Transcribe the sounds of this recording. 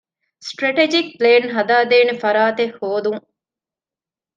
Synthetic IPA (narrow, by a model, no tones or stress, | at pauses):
sʈɾɐʈed͡ʒik̚pleːnɦɐd̪aːd̪eːnefɐɾaːt̪ehːoːd̪uŋ